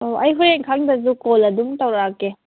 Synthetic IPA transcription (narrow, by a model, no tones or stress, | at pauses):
oʔɐjɦuɾeŋkʰaŋdɐzukolɐduŋtɐwɾakːe